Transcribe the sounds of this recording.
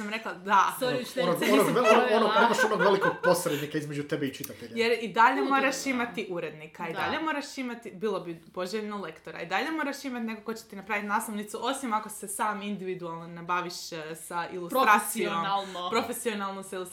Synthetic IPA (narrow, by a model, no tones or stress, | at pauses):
samɾe̞klad̪aoonoonoɡenoonoimaʃonoɡʋelikoɡ̚posɾed̪nikaizmed͡ʒut̪ebeit͡ʃit̪at̪eʎjeɾid̪aʎemo̞ɾaʃimat̪iʔuɾe̞d̪nikaid̪aʎemo̞ɾaʃimat̪ibilˠo̞bipo̞ʒeʎnole̞kt̪o̞ɾa̰id̪aʎemo̞ɾaʃimat̪ne̞kokːot͡ɕe̥t̪inapɾaːʋit̪naːslˠoʋnit̪suʔo̞simako̞sesaːmind̪iʋid̪ualˠnonebaʋiʃsaʔilˠusɾt̪ɾasiomalˠnpɾo̞fesionalˠnomsailus